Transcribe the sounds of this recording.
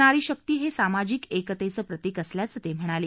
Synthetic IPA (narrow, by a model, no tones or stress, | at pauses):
ɽaɾiːɕək̚t̪iːɦesamad͡ʑiːkekət̪et͡səːpɾət̪iːkəsljat͡sət̪em̤əɽ̃aleː